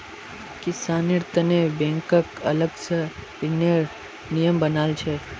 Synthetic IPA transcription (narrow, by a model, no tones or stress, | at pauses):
kɪsanɪɾt̪ənebɛ̃ŋkəkɐ̰ləɡsəpɪnəɾ | nijəmbənaːlt͡ʃʰe